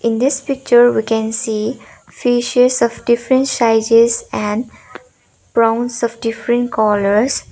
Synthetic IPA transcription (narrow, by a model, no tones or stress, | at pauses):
ɪ̃nd̪ɪspɪk̚t͡ʃəɾʋikɛ̃nsiː | fiʃesɔfɖɪfɾə̃ɳʈsaɪd͡ʒesɛ̃ɳɖ | pɾãʊ̃nsɔfɖɪfɾə̃ɳʈkɔːləɾs